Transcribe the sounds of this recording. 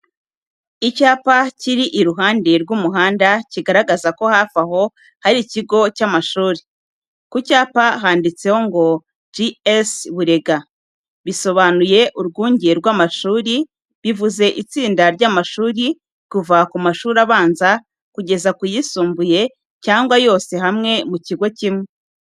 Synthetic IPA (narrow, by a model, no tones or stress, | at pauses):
icaːpaciɾiʔiɾuɦaːndeɾɡwuːmuɦaːndaciɡaɾaɡazako̞hafaho̞ | haɾiciɡo̞camaʃuːɾi | kucaːpaɦaːndit͡se̞ho̞ŋɡo̞ | d͡ʒiesβuɾe̞ɡa | βiso̞βanuje̞ʔuɾɡuːɲɟeɾɡwaːmaʃuːɾi | βivuze̞ʔit͡siːndaɾɟaːmaʃuːɾi | kuvakumaʃuːɾaβaːnza | kuɟe̞zakujisuːmbuje̞ | caːŋɡwajo̞ːse̞ɦamŋe̞muciɡo̞cimwe